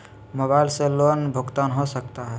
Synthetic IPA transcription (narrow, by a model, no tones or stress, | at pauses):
mobaɪlselonbʱəɡt̪anɦosək̚t̪aɦɛ